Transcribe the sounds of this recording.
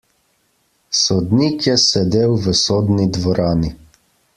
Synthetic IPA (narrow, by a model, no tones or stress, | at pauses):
sɔd̪nikjɛsɛd̪eːwʋəsoːd̪nid̪ʋɔɾaːni